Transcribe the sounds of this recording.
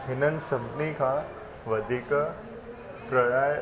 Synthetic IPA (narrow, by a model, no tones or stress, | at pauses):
ɦɪnənɪ̆sɐbnikʰãː | ʋɐd̪ʱik | pɾɐɽaː